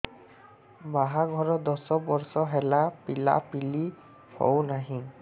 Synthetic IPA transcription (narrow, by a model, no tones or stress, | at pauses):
baɦaɡʱɔɹɔd̪ɔsɔbɔɹsɔɦɛlapila̰pili | hɔ̰wnaɦĩ